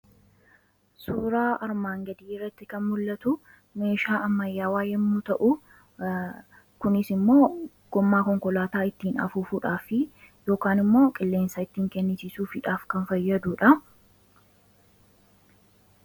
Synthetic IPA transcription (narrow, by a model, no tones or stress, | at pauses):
suːɾaːɐɾmaːŋɡɐd̪iːrːɐt̪ːɪkɐnmʊlːɐt̪ʊ | me̞ːʃaːʔɐmːɐjːaːwaːjɛmːuːt̪ɐʔʊ | kʊnɪsɪmːo̞ː | ɡ̥ɔmːaːkɔŋkɔlaːt̪aːɪt̪ːiːnɐ̰fuːfuᶑaːfɪ | jo̞ːkaːnɪmːo̞ːkʼɪlːe̞ːnsɐɪt̪ːiːŋkɛnːɪsisuːfɪᶑaːfkɐnfɐjːɐd̪uːᶑɐ